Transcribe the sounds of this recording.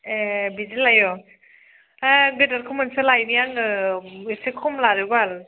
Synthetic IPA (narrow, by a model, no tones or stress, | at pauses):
ebizilajɔ | ɡɯdaɾkʰumansɯlajnijaŋɯisekʰɔmlaɾɯbal